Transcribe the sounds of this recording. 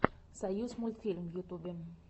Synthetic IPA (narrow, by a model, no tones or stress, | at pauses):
sajusmult̪filmjut̪ubɛm